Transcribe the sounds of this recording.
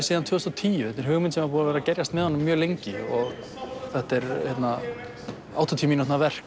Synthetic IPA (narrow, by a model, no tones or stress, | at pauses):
siːðant̪ʰvœːʏst̪ɔt̪ʰiːjʏθɛt̪ɛɾ̥ɦʏɣmʏnsɛmaɾpuːnavɛːɾacɛɾjast̪mɛðhanːʏmːjœːlejɲcɪɔɣ | θɛht̪ɛɾhɛt̪na | aːwt̪ɔt̪ʰiːminɔht̪navɛr̥k